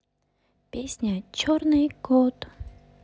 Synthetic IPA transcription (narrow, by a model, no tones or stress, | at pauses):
pʲesʲnʲət͡ɕornɨjɡot̪